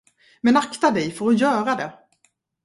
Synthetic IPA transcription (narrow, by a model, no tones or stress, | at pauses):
mɛnakt̪ad̪ɛjfœɾɔjœːɾad̪ɛ